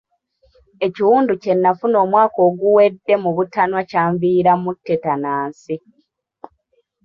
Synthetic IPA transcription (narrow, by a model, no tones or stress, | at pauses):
e̞ciwuːnduce̞nːafuno̞ːmwaːko̞ːɡuwe̞dːe̞muβutanwacaːɱviːɾamutːetanaːnsi